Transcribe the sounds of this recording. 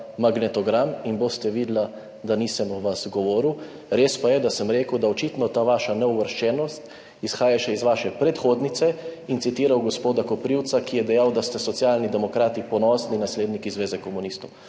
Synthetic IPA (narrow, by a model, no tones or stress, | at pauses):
maɡnɛt̪ɔɡɾaminbost̪ɛʋiːd̪la | d̪aniːsɛmɔʋasɡɔʋɔːɾiw | ɾeːspajɛd̪asəmɾeːkəwd̪aɔt͡ʃit̪nɔt̪aːʋaːʃanɛuʋəɾʃt͡ʃɛːnɔst̪ | isxaːjaʃɛizʋaːʃɛpɾɛt̪xoːd̪nit̪sɛint̪sit̪iːɾawɡɔspoːd̪akɔpɾiwt̪sakijɛd̪ɛjawd̪ast̪ɛsɔtsjaːlnid̪ɛmɔkɾaːt̪ipɔnɔːslinasleːd̪nikizʋeːzɛkɔmunist̪ɔw